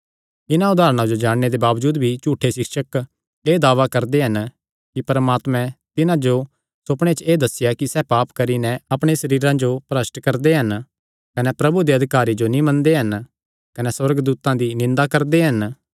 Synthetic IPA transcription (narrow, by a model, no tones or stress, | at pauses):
ɪnãʊd̪aːɾəɽ̃ãd͡ʒod͡ʒaːɽ̃ñed̪ebaːʋd͡ʒuːd̪bʱit͡ʃuːʈʰːeʃɪkʃək | eːd̪aːʋakɐɾd̪eɦɐn | kipɐɾmaːt̪mɛ̃t̪ɪnãd͡ʒo | sʊpɽ̃et͡ʃeːd̪ɐsɪjakisɛpaːpkɐɾinɛ̃ɐpɽ̃esɐɾiːɾãd͡ʒopɾəsʈkɐɾd̪eɦɐn | kɐnɛpɾɐbud̪iɐd̪ʱɪkaːɾid͡ʒonĩmɐ̃nd̪eɦɐn | kɐnɛswɐɾɡd̪uːt̪ãd̪inɪ̃nd̪akɐɾd̪eɦɐn